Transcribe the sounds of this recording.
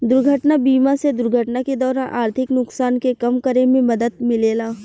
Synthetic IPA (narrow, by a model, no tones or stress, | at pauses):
d̪ʊɾɡʱəʈnabiːmased̪ʊɾɡʱəʈnaked̪ɔːɾaːnʔaːɾt̪ʰɪknʊksaːnkekɐmkəɾemẽmɐd̪əd̪̚mɪleːlaː